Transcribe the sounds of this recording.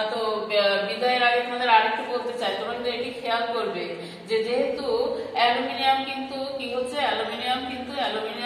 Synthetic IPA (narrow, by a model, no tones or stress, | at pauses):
t̪obid̪aeɾaɡet̪ʰad̪eɾaɽikʰːokoɾt̪et͡ɕajt̪ɔbõkint̪ueʈikʰealkoɾbe | d͡ʑed͡ʑeɦet̪uɛlominijamkint̪ukiɦotːɕʰeɛlominiamkint̪uɛlomini